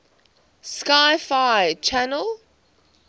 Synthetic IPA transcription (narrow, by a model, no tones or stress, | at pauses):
skaɪfaɪt͡ʃʰanəlˠ